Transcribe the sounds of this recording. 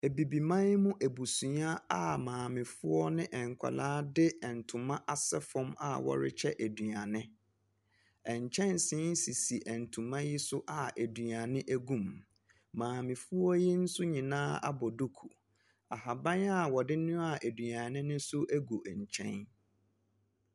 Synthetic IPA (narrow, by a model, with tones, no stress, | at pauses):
æ˨bi˨bi˨mã˦n˦mʊ̃˦ʔæ˨bu˨sũ˨˦a˦a˨mãː˨mɪ̃˨fʊ˦ɔ˦nɪ̃˦ʔɛ̃˨ŋ˨kʷʰa̰˨laː˦dɪ˦ɛ˨n̩˨tʰʊ̃˨mã˦ʔa˨sɛ˦fɔ̃˦ma̰˨wɔ̰˨ɾɪ̰˦t͡ɕʰɛ˦ʔæ˨dɥa˨nɪ̃˦ | ɛ̃˨ɲ˨t͡ɕʰɛ̃˦nsɪ̃˦n˦si˨si˨ʔæ˨n̩˨tʰũ˨mã˦ji˦sʊ˦ʔa˨æ˨dɥa˨nɪ̃˦ʔæ˦ɡũ˦˨m | mãː˨mɪ̃˨fʊ˦ɔ˦ji˦n̩˦sʊ˦ɲĩ˨nãː˦a̰˦bɔ˨du˦kʰu˨ | a˨ɦa˨bã˦na˦˨wɔ˨dɪ˦nʊ̃˦a˨ʔæ˨dɥa˨nɪ̃˦nɪ̃˦sʊ˦ʔæ˦ɡu˨ɲ̩˨t͡ɕʰɛ̰̃˦n